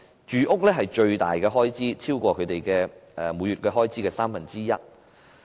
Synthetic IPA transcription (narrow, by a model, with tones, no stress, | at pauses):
t͡ʃyː˨ʔʊ˥k̚lɛː˥ɦɐ˨jt͡ʃɵ˧ɥt̪a̰ː˨jkɛː˧ɦɔː˥jt͡siː˥t͡sʰiː˥wkʷɔː˧kʰɵ˨˧ɥt̪e˨jkɛː˧ɛː˨muː˨˧jyː˨t̚kɛː˧ɦɔː˥jt͡siː˥kɛː˧saː˥mfɐ˨˩nt͡siː˥jɐ̰˥t̚